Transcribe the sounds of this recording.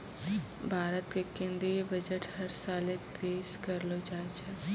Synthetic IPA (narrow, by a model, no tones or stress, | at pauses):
bʱaːɾət̪kekẽnd̪ɾibəd͡ʒəʈhɐɾsaːlepeːʃkəɾlod͡ʒaːet͡ʃʰɛ